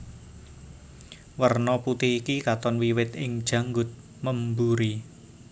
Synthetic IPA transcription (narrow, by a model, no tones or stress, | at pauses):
wərnɔput̪ɪɦikikat̪ɔnwiwɪt̪ɪŋd̥ʒ̥ä̤ŋɡʊt̪̚ | məmbuɾi